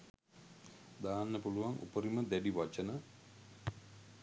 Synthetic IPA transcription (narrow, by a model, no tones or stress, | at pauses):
d̪aːnːəpuluʋaŋʔṵpəɾiməd̪æɖiʋat͡ʃənə